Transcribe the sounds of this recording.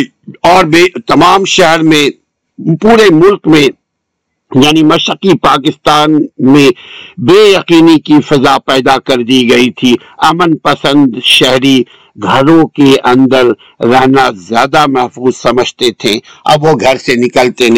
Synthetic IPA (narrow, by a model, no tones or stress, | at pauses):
ɔːɾbeːt̪ɐmaːmʃɛɦɛɾmẽ | puːɾemʊlkmẽ | jaːnimɐʃɪqipaːk̬ɪst̪aːnmẽbeːjɐqiːnikifɐzapɛːd̪akɐɾd̪iɡɐit̪ʰi | ɐmənpɐsə̃nd̪ʃɛɦɾi | ɡʱɐɾõkeʔɐ̃nd̪əɾː | ɛɦnazjaːd̪amɛɦfuːzsɐməd͡ʒʱt̪et̪ʰẽɐ̰bʋoɡʱɐɾsenɪkəlt̪en